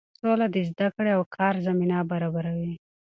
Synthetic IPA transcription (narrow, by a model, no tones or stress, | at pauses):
solad̪əzd̪akɽeawkʰɑɾzaminabaɾɑbaɾawi